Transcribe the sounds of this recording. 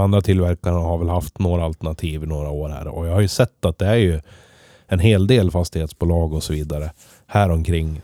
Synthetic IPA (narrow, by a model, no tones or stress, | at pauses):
and̪ɾat̪ʰɪlvæɾkanaɦaɾvɛlhaft̪noːɾaːlt̪əɳat̪ʰiːvɪnoːɾaoːɾhæ̰ːɾɔ̰jɑːhaɾjɵsɛt̪ːat̪̚d̪ɛæɾjɵ | ɛnɦeːld̪eːlfast̪ɪheːt̪sbuːlɑːɡɔsɔviːd̪aɾə | hæːɾɔmkʰɾɪŋː